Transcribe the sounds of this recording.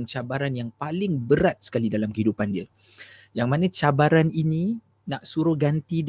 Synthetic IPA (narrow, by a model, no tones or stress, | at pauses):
nt͡ʃabaɾanjaŋpalɪŋbəɾat̪̚sə̥kalidalamkəidupandiə | jaŋmanə̃t͡ʃabaɾanini | naʔsuɾʊhɡant̪id